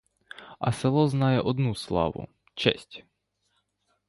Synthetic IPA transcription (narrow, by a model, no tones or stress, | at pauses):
ʔa̰sɛlˠɔznajɛʔɔd̪nuːsla̰ːʋṵ | t͡ʃɛ̰sc